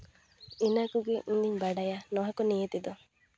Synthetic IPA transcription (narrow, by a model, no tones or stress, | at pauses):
inɐkuɡeʔund̪iɲbɐɖɐjaːnoɦɐkunijet̪id̪u